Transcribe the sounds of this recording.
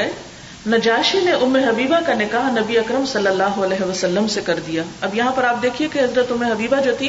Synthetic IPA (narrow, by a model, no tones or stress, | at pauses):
nɐd͡ʒaːʃineʔʊmːeɦɐbiːbakanɪkaːɦnɐbiɐkɾəmsɐlːəlːaːɦoɐlɛːɦeʋɐsɐlːəmsekɐɾd̪ijaːɐbjɐɦãpɐɾaːp̚d̪eːkʰiekeɦɐzɾət̪ʊmːeɦɐbiːbad͡ʒoːt̪ʰi